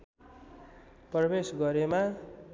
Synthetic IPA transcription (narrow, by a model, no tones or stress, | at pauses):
prʌbesɡʌɾema